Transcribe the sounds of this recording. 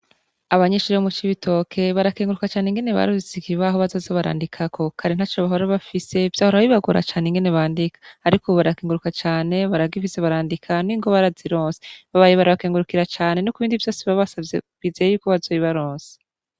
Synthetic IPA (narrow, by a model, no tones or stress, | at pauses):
aβaɲeʃuɾeomut͡ʃiβitʰo̞kʰe̞βaɾakeːŋɡuɾukat͡ʃaːneŋɡe̞neβa̰ɾuzikiβaɦo̞βazo̞ːzeβaɾa̰ːndikʰakʰo̞kʰaɾin̥at͡ʃoβaɦoɾaβafise̞v̥jaːhoɾaiβaɡoɾa̰t͡ʃaːneŋɡeneβaːndikḁːɾikʰoβaɾakeːŋɡuɾukat͡ʃaːne̞βaɾaɡifiseβaɾaːndikʰaniŋɡoβaɾaziɾoːnse̥βaβajeβaɾaβakeːŋɡuɾukiɾat͡ʃaːne̞nokuβiːndivjo̞ːsiβaβasaeβizejejukoβazojiβaɾoːnse̥